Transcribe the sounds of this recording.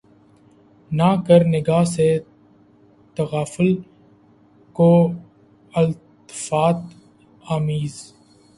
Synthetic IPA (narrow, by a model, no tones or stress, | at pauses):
naːkəɾnɪɡaːse | t̪əɣaːfəl | koː | əlt̪ | ɪ̥faːt̪ | aːmiːz